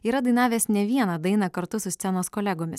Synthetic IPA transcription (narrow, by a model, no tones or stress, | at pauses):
iːɾɐd̪ɐɪnɑːʋʲeːsnʲɛʋʲiɛnɐd̪ɐɪnɐkɐɾt̪ʊsʊsʲt̪sʲɛnoːskoːlʲɛɡoːmʲɪs